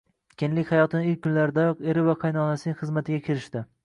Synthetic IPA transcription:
kʲʰenlɪkʲhajɒt̪ʰɪnɪɪlʲkʲkʰːʊnlaɾɪd̪ajɨqe̞ɾɪvaqʰɑjnɒnasɪnɪŋʲχɨzmat̪ʰɪɡʲakʲʰɪɾɪʃt̪ɪ

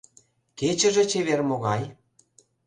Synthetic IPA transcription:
ket͡ɕə̆ʒĕt͡ɕeβermoɣɑj

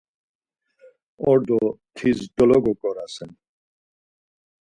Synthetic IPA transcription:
ɔɾd̪ɔt̪ʰizd̪ɔlɔɡɔkʼɔɾasɛn

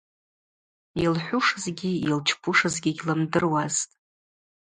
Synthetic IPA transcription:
ilħʷʊʂɨzɡʲiilt͡ʃʰpʰʊʂɨzɡʲiɡʲlɨmdɨrwaztʼ

